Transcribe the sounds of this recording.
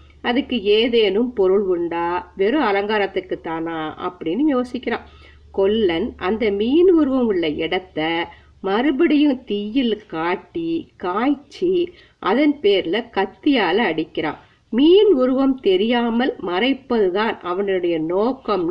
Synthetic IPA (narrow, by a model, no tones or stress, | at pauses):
ɐðɯkːɯeːðeːnɯmpɔɾɯɭʋʊɳɖaːʋɛɾɯɐlɐŋɡaːɾɐt̪ːɯkːɯt̪ːaːnaːʔɐ̰pːɐɽɪnːɯjoːsɪkːɪɾaːm | kɔɭːɐnʔɐnd̪ɐmiːnʊɾɯʋɐmɯɭːɐɪɽɐt̪ːɐ | mɐɾɯbɐɽɪjɯt̪ijɪlkaːʈːikaːjt͡ʃːi | ʔɐðɐnpeːɾɪlɐkɐt̪ːɪjaːlɐːɽɪkːɪɾa̰ː | miːnʊɾɯʋɐmt̪ɛɾɪjaːmɐlmɐɾɐɪpːɐðɯðaːnʔɐʋɐnɯɯɽɐjɐnoːkɐm